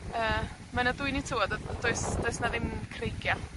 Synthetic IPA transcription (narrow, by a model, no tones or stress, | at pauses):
əː | manaduɨnitʰɪwɔdɔd̥oɨsd̥oɨsnaðɪmkʰrejɡja